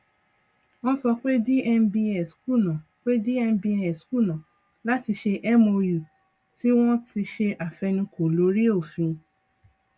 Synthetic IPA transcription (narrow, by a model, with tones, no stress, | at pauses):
ɔ̃˦sɔ˧k͡pe˦di˦ɛ˧n̩˦bi˧ɛ˨sku˦˨nã˨ | k͡pe˦di˦ɛ˧m̩˦bi˧ɛ˨sku˦˨nã˨ | la˦ti˧ʃe˧ʔɛ˦mo˧ju˨ | ti˦w̃ɔ̃˦ti˧ʃe˧ʔa˨fɛ˧nĩ˧ko˨lo˨˦ɾi˦o˦˨fĩ˧